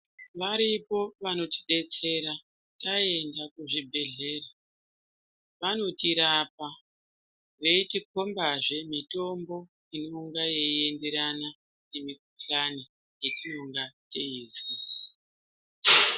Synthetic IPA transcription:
ʋaɾipo̞ʋano̞ti̥ɗe̞t͡se̞ɾa | tae̞ndakuʐibʱe̞ɮe̞ːra | ʋano̞tiɾapa | ʋeitik̚ombaʐe̞mito̞mbo̞ | ino̞uŋɡaje̞ie̞nde̞ɾana | nemik̚uɬani | je̞t͡ʃinoŋɡat͡ʃe̞iːzi

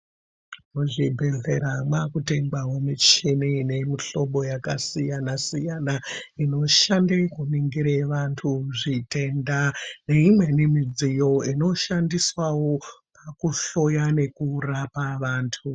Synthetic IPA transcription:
muʐibʱe̞ɮe̞ɾamwakute̞ŋbawo̞mit͡ʃinine̞miɬo̞ɓo̞jakasijanasijanaino̞ʃandekuniŋɡiɾeʋantʰuʐite̞ndane̞imwe̞nimid͡zijo̞ino̞ʃandiswawo̞pakuɬo̞jane̞kurapaʋaːntʰu

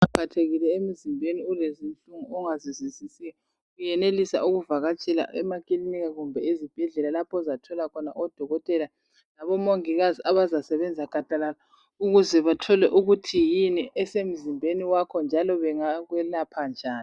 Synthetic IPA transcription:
apʰatʰeɣilɛem̩zimbʱeniulezin̩ɬuŋuɔŋazizizisijɛ | ɣujɛnelisa̰uɣuvaɣat͡ʃʼɛla̰ɛmakʼiliniɣaɣumbʱɛezib̥ʱɛɮɛlalapʰɔzatʰɔlakʰɔna̰ʔɔd̥ʱɔɣɔtʼɛla | laβɔmoŋiɣaziaβazasɛβɛnd͡zʱaɡ̥ʱad̥ʱalala | uɣuzɛβatʰɔlɛʔuɣutʰijiniʔɛsem̩zimbʱeniwakʰɔnd͡ʒʱalɔβɛŋaɣwɛlapʰand͡ʒʱaːni

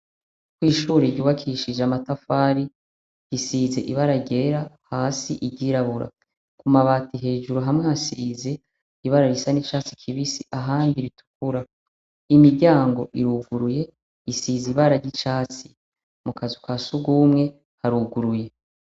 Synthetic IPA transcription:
kwiːʃuːɾeɾɟuːβakʰiʃid͡ʒamatafaːɾi | isiːze̞ʔiβaɾaɡɟeɾahaːsiʔiɟiɾaβuɾa̰ | kumaβaːtiɦe̞ːd͡ʒuɾuɦamŋehasiːze̞ | iβaɾaɾisanit͡ʃaːt͡si̥kʰiβisiʔaɦaːndiɾitu̥kuɾa | imiɾɟaːŋɡo̞ʔiɾuːɡuɾuje̞ | isiziβaɾaɾɟit͡ʃaːt͡si̥ | mukʰazukwaːsuɡuːmŋe̞ | haɾuːɡuɾuje̞

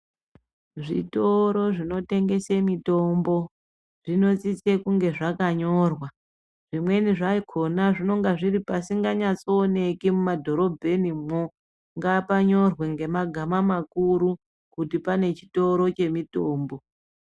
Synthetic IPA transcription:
ʐḭto̞ɾo̞ʐino̞te̞ŋɡe̞semito̞mbo̞ | ʐ̥ino̞t͡sit͡sekuŋɡe̞ʐakaɲo̞rwa | ʐ̥imwe̞niʐaikʰo̞naʐino̞ŋɡaʐiɾipasiŋɡaɲat͡so̞ːne̞kimumadʱo̞ɾo̞bʱe̞nimo | ŋɡapaɲo̞rweŋɡe̞maɡʱamamakuɾu | kutipane̞t͡ʃi̥to̞ɾo̞t͡ʃe̞mitoːmbo̞

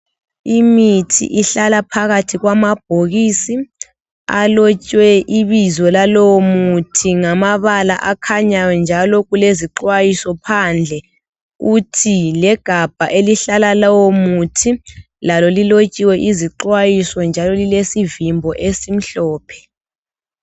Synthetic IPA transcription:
imitʰḭʔiɬalapʰaɣatʰiɣwamab̥̚ʱoɣiːsi | a̰lot͡ʃʼwɛʔiβizɔlalɔwɔmutʰiŋamaβala̰ʔakʰaɲajɔnd͡ʒʱalɔɣuleziǃwajisɔpʰand͡ɮʱɛ | utʰilɛɡ̥ʱab̥ʱaʔeliɬalalɔwomutʰi | lalolilot͡ʃʼiwɛʔiziǃwajisɔnd͡ʒʱalɔlilesivimbʱɔʔesim̩ɬɔːpʰɛ̥

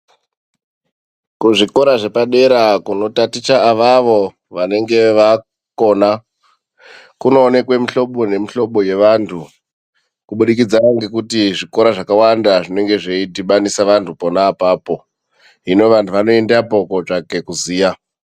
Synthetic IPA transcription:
kuʐiko̞ɾaʐe̞paɗe̞ɾakuno̞tatit͡ʃaːʋaʋo̞ | ʋane̞ŋɡe̞ʋa | ko̞na | kuno̞ːne̞kwe̞miɬo̞ɓo̞ne̞miɬo̞ɓo̞je̞ʋantʰu | kuɓuɗik̬id͡zaaŋɡe̞kutiʐiko̞ɾaʐakawandaʐine̞ŋɡe̞ʐeitiɓanisaʋantʰupo̞naːpaːpo̞ | ino̞ʋantʰuʋano̞endapo̞ko̞ʐake̞kuziːja

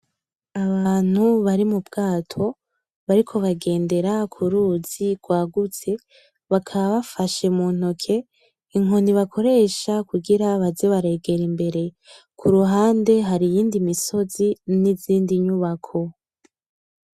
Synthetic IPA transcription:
aβaːn̥huβaɾimubɡaːtʰo̞ | βaɾikʰo̞βaɡe̞ːnde̞ɾakʰuɾuz̥iɡwaːɡut͡se̞ | βakʰaβaβafaʃe̞muːn̥okʰe̞ | iŋɦoniβakʰo̞ɾe̞ːʃakuɡiɾaβazeβaɾe̞ːɡe̞ɾimbe̞ɾe̞ | kʰuɾuɦaːnde̞ɦaɾijiːndimiso̞ziniziːndiɲuβakʰo̞

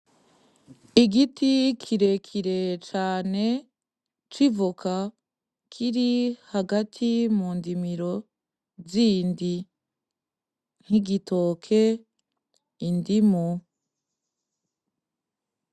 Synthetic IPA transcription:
iɡitʰikʰiɾe̞kʰiɾe̞t͡ʃaːne̞ | t͡ʃivukʰa | kʰiɾihaɡatʰimuːndimiɾo̞ | ziːndi | n̥hiɡitʰo̞ːkʰe̞ | indimu

